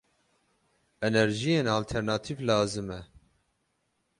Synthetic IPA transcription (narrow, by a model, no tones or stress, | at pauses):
ɛnɛɾʒijeːnɑːlt̪ʰɛɾnɑːt̪ʰivlɑːzɨmɛ